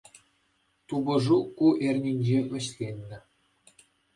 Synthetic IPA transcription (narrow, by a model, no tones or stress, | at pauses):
t̪ubɤ̆ʐukuʔerʲnʲinʲd͡ʑeʋʲɘ̆ɕlʲenʲːɘ̆